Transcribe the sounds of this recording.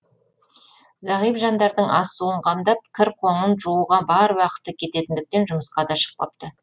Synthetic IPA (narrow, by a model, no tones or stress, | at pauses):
zɑʁijpʒɑnd̪ɑɾd̪əɴʔɑsːuəɴqʰɑmd̪ɑp̚kʲʰɪɾqʰo̞ɴənʒuuʁɑbɑɾwɑqə̥t̪ːəkʲʰe̞t̪e̞t̪ɪnd̪ɪk̚t̪e̞nʒʊməsqɑd̪ɑʃə̥q̚p̪ɑ̰p̚t̪ə